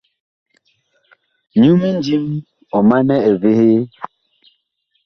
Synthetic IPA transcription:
ɲu˦mi˦n˦d͡ʒi˦m | ɔ˨ma˦nɛ˦ɛ˨ve˦he˦

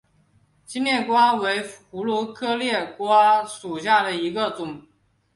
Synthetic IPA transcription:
t͡ɕi˥nljɛ˥˩kwa˥we˧˥ɪxu˧˥lwɔ˧˥kʰɤ˥ljɛ˥˩kwa˥ʂu˨˩ɕ̬ja˥˩d̪ə˩i˧˥ɡə˧t͡sʊ˨˩˦ŋ

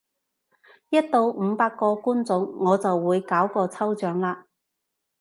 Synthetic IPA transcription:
jɐ˥t̚t̪o˧wm̩˨˧paː˧kːɔː˧kuː˥nt͡sʊ˨˥ŋːɔː˨˧t͡sɐ˨wːuː˨˧jkaː˨˥wkɔː˧t͡sʰɐ˥wt͡ʃœː˨˥ŋlaː˧

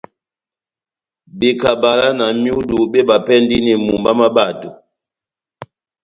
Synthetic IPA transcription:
be˨ka˨ba˨la˦na˨mju˦du˨ɓe˦ɓa˨pɛ˦ndi˦nɛ˨mu˨mba˦ma˦ba˨tu˨

